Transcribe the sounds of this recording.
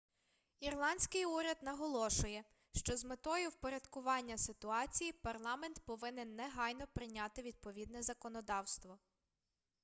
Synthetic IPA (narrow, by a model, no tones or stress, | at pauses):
irlˠɑnʲsʲkɪjuɾʲɐd̪nɐɦɔlˠɔʃʊjɛ | ʃt͡ʃɔzmet̪ɔjʊwpɔɾʲɐd̪kʊʋɑnʲːɐsɪt̪ʊɑt͡sʲijipɐrlˠɑmɛnt̪pɔʋɪnɪnːɛɦɑjnɔpɾɪnʲɑt̪ɪʋʲid̪̚pɔʋʲid̪nɛzɐkɔnɔd̪ɑwst̪ʋɔ